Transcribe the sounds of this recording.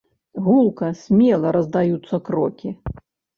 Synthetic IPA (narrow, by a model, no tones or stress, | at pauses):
ɣulˠkɐsʲmʲɛlˠɐɾɐzd̪ajut̪sːɐkɾɔkʲi